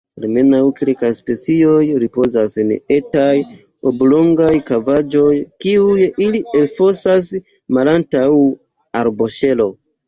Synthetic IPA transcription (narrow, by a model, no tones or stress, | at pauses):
alme̞nawkelkajspe̞t͡sio̞jɾipo̞zasene̞taj | oblo̞ŋɡajkavad͡ʒo̞jkiujilielfo̞sas | malantaw | aɾbo̞ʃe̞lo̞